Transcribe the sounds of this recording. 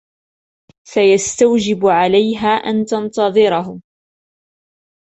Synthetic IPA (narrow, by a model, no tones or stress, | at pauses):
fajast̪awd͡ʒɪbʕalajɦaːʔa̰nt̪ɑnt̪ɑðˤɨɾɑɦʊ